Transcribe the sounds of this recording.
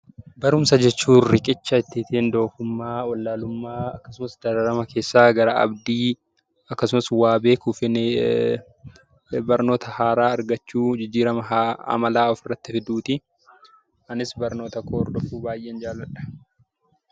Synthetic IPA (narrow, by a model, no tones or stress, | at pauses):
bɐɾʊmsɐd͡ʒɛt͡ʃːuːrɪkʼɪt͡ʃːɐɪt̪ːɪːt̪eːnd̪o̞ːfʊmːaːwɐlːaːlʊmːaːɐkːɐ̥sʊmɐsd̪ɐɾɐɾɐmɐkʰe̞ːsːaːɡɐɾaɐ̰bd̪iː | ɐkːɐsʊmɐswaːbe̞ːkufɪn | bɐɾno̞ːt̪ɐhaːɾaːɐɾɡɐt͡ʃːuːd͡ʒɪd͡ʒːiːɾɐmɐɐ̰mɐlaːɔfɪrːɐt̪ːɪfɪd̪uːt̪ɪ | ɐnɪsbɐɾno̞ːt̪ɐkʰoːɔɾd̪ɔfuːbaːjʔeːnd͡ʒaːlːɐᶑɐ̥